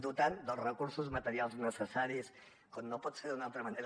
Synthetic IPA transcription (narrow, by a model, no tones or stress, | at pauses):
d̪ut̪and̪əlˠzrəkuɾsuzmət̪əɾialˠznəsəsaɾis | konːopɔt̪seɾd̪unalˠt̪ɾəməneɾ